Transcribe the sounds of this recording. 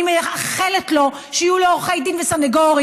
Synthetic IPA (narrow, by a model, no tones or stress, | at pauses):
imeaχeletlo̞ | ʃeijuleoʁχejdimvesaneɡoʁi